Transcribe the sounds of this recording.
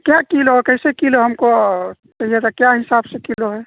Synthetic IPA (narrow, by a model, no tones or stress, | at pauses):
kjakilokəɪsekiloɦəmko | kɐɦijet̪akjaɦɪsaːbsekiloɦɛː